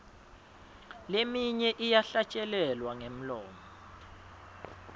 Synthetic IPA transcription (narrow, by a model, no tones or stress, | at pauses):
lemiɲɛʔijaɬat͡ʃʼɛlɛlwaŋem̩lɔ̰ːmɔ